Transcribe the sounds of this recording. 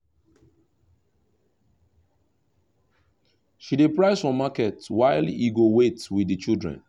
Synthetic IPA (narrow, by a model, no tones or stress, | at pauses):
ʃidepɹaɪsfɔmakɛtwaɪliɡowetwiðit͡ʃildɹɛ̰̃n